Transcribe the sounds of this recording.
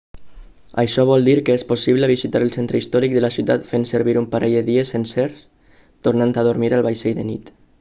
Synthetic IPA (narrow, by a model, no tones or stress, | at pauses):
ə̰jʃɔβ̞ɔlˠd̪iɾkəesposiβ̞ləβ̞izit̪aɾəlˠsent̪ɾəist̪ɔɾik̚d̪əlasiuwt̪at̪fensəɾβiɾumpaɾeʎðəðiəsenseɾs | t̪oɾnant̪aðuɾmiɾalˠβajseʎðənḭt̪